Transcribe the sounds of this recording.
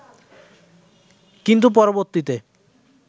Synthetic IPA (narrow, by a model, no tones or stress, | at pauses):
kint̪̬up̬ɔɾoboɾt̪it̪e